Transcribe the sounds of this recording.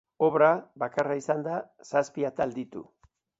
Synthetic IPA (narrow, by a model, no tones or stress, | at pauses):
o̞βɾaβakaraisand̪a | saspiat̪ald̪it̪ṵ